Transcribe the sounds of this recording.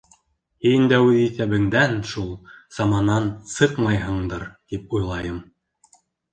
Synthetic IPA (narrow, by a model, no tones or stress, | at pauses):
hind̪æwɘðiθæβɘ̆ŋd̪ænʃulˠsɑmɑnɑnsɤqmɑjɦɤ̆ɴd̪ɤɾt̪ipujlˠɑjɤm